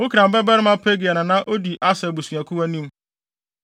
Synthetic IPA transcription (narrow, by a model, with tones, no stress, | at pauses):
wʊ˦kʰi˨ɾã˨m̩˨bɛ˦bɛ˦ɾɪ˦mã˦pʰe˦ɡi˨a˨nã˨nã˦ʔo˦di˨ʔa˦sɛ˨bu˨sũ˨a˨kʰu˦wæ˦nĩ˦m˦